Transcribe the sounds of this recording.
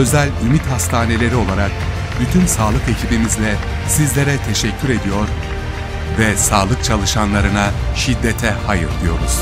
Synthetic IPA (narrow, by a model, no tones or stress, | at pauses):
ø̞zælʲymit̪hast̪ʰaːne̞lʲe̞ɾio̞lˠaɾak̚ | byt̪ʰynsaːlˠɯke̞cʰibimizlʲɛ | sizlʲe̞ɾɛt̪ʰe̞ʃɛcʰːyɾe̞d̪ijo̞ɾ | vɛsaːlˠɯk̚t͡ʃʰalˠɯʃanlˠaɾɯnaʃid̪ːet̪ʰɛhajɯɾd̪ijo̞̰ɾuz̥